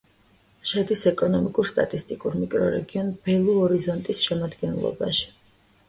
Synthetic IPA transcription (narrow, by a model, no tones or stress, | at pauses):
ʃad̪isɛkʼɔnɔmikʼuɾst̪ʼa̰t̪ʼist̪ʼikʼuɾmikʼɾɔɾɛ̰ɡiɔnb̥ɛlˠuɔɾizɔnt̪ʼisʃɛmad̪ɡɛnlˠɔ̰baʃi̥